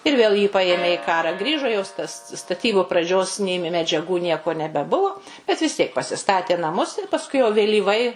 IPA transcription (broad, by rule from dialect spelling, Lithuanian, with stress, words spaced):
ɪr ˈʋʲeːlˠ jiː ˈpɑːjeːmʲeː ɪ ˈkɑːrɑː ˈɡrʲiːʒoː joːs tɐs stɐˈtʲiːbʊ prɐˈd͡ʒʲoːs ˈnʲeː mʲɛ mʲɛd͡ʒʲɛˈɡuː ˈnʲiɛkoː nʲɛbʲɛˈbʊʋʊ bʲɛt ʋʲɪs ˈtʲiɛk pɐsʲɪˈstɑːtʲeː nɐˈmʊs ɪr pɐsˈkʊɪ jɛʊ ʋʲeːlʲiːˈʋɐɪ